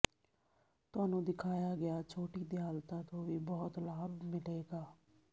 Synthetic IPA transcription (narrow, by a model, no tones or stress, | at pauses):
t̪ʊaːnũːd̪ɪkʰaːjaːɡɪjaːt͡ʃʰoːʈiːd̪ɪjaːlt̪ãːt̪õːʋiːbɔːt̪laːbmɪleːɡaː